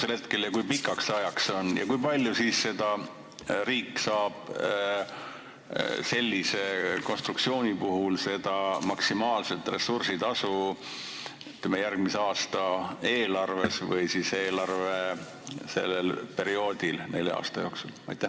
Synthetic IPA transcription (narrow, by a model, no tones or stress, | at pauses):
selhe̞t̪̚ke̞ljɑkujpikːˑɑksseɑjɑkso̞njɑ̰kujpɑlʲjusiːsːe̞d̪̥ɑ | ɾiːkːsɑːb̥ | se̞lʲːise̞ko̞nst̪ruk̚tsioːnʲipuɦulse̞d̪̥ɑmɑksimɑːlse̞t̪ˑre̞sursid̪ɑsu | yt̪lemejærɡmiseɑːst̪ɑe̞ːlɑrve̞svɯ̰jsise̞ːlɑrve | se̞̰lːelpe̞ɾio̞ːd̪ilne̞lːḛɑ̰ːst̪ɑjoːksulɑ̰jt̪ːˑe